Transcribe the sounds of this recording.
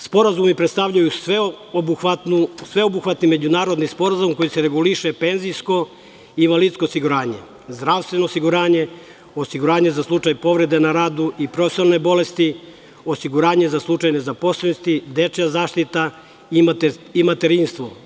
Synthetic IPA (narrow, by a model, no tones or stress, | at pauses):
spo̞ɾazumipɾe̞t̪t̪aʋʎaju | uatnusʋeobuxʋat̪nime̞d͡ʑunaːɾo̞d̪nispo̞ɾazumko̞jiseɾe̞ɡuliʃepe̞ːnzijsko̞ | invalidt̪skoːsiɡuɾaːɲe̞̰ | zd̪ɾaːʋst̪ʋe̞no̞ːsiɡuɾaːɲe̞ | o̞siɡuɾaːɲe̞zaslˠut͡ʃajpo̞ʋɾe̞d̪e̞naɾaːd̪uipɾofesnanebo̞le̞st̪i | osiɡuɾaːɲe̞zaslˠut͡ʃajne̞zapo̞slˠenost̪id̪e̞t͡ʃjazaːʃt̪it̪a | imimat̪eɾinst̪ʋo̞